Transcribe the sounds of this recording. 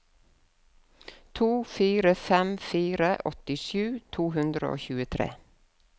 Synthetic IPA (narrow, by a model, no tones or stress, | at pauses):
t̪ʰuːfiːɾəfɛmfiːɾəʔɔt̪ɪʃʉːt̪ʰuːhʉnd̪ɾə̰o̰ːçʉːət̪ʰɾḛː